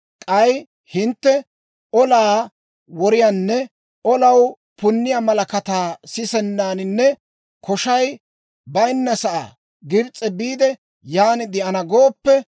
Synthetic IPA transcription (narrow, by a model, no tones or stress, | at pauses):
kʼɐj | hɪnt̪ːɛ | ʔɔlaː | wɔɾɪjanːɛ | ʔɔlɐw | pʊnːɪjamɐlɐkɐt̪aːsɪsɛnːaːnɪnːɛ | kɔʃɐj | bɐjnːɐsɐʔa̰ː | ɡɪɾt͡sʼːɛbiːd̪ɛ | jaːnɪd̪ɪʔɐnɐɡoːpːɛ